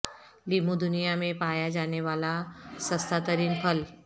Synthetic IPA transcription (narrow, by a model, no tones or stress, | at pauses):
limud̪unijamepajad͡ʑaneʋalasəst̪ʰat̪əɾiːnpʰəl